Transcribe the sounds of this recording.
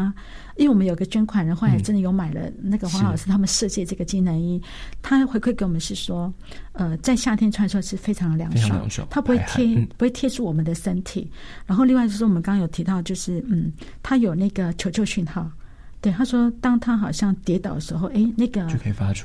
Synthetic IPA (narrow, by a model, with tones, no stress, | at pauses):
i˥wɛ˥˩wɔ˨mə˦njo˨˩i˧ɡə˧t͡ɕɥɛ˥nkʰwa˨˩nɻə˧˥nxwla˧˥˩ʈ͡ʂə˥nd̪ə˨jo˧˥ʊma˨˩ɪlə̰˦na˥˩ɡə˩xwɑ˧˦xɑ˨˩ʂɻ̩˥˩t̪ʰa˥mə˨nʂɤ˥˧t͡ɕjɛ˥˧ʈ͡ʂɤ˥˩ɡə˩t͡ɕi˥˩nə˧˥ni˥ | t̪ʰa˥xwe˧˥kʰe˥˩ɪke˧˥ɪwɔ˨˩mə˦ʂɻ̩˥˩ʂwɔ˥ | ə˧t͡sa˥˧ɪɕja˥˩t̪ʰjɛ˥nʈ͡ʂʰwn˩ʂʂɻ̩˥˩fe˥ɪʈ͡ʂʰɑ˧˥ŋd̪ə˧ljɑ̰˧˥ŋʂo̰˥˩˧t̪ʰa˥pu˨˥xe˥˧t̪ʰɛ˥pu˧xwe˥˩ɪt̪ʰjɛ˥ʈ͡ʂʰu˥˩wɔ˨˩mə˨˦nd̪ə˨ʂə˥nt̪ʰḭ˨˩ɻa˧˥nxo˥˧li˥˧wa˥˧t͡ɕjʂ̩˥˩wmə˦kɑ˥ŋjo˨˩ʊt̪ʰi˧˥t̪ɑ˥˧ʊt͡ɕjo˥˧ʊʂɻ̩˥˩n̩˥˩ | t̪ʰa˥jo˨˩ʊna˥˩ɡə˩t͡ɕʰo˧ʊt͡ɕʰjo˥˧ʊɕy˥˧nxɑ˥˩ʊ | t̪we˥˩ɪt̪ʰa˥ʂwɔ˥t̪ɑ˥ŋt̪ʰa˥xɑ˨˩ʊɕjɑ˥˩ŋt̪jɛ˧˥t̪ɑ˨˩ʊd̪ə˦ʂɻ̩˧˥xo˥˧ʊʔe˥˩ɪna˥˩ɡə˩o˥˨kʰfa˥